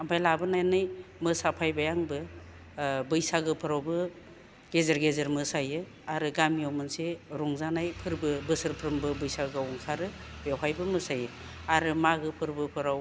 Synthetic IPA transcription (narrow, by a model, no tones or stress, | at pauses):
abajlabɯnajnɯjmɯsapʰajbajaŋbɯ | bɯjsaɡɯpʰɯɾawbɯ | ɡ̥ezaɾɡezɯɾmɯsajɯ | aɾɯɡamijɔwmɯnseɾɔŋzanajpʰɯɾbɯbɯsɯɾpʰɾɯmbɯbɯjsaɡɯwuŋkʰaɾɯ | jawɦajbɯmɯsajɯ | aɾɯmaɡɯpʰɯɾbɯpʰɯɾaw